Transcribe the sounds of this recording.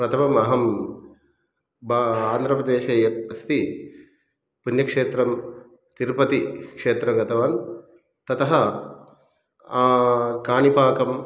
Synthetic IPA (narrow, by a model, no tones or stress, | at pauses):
pɾɐt̪ʰɐmɐmɐɦɐm | baaːnd̪ʱɾɐpɾɐd̪eːʃɐːjɐt̪̚ɐst̪i | punjɐkʂeːt̪ɾɐm | t̪iɾpɐt̪ikʂeːt̪ɾɐmɡɐt̪ʰɐʋaːn | t̪ɐt̪ɐɦɐ | kaːnipaːkɐm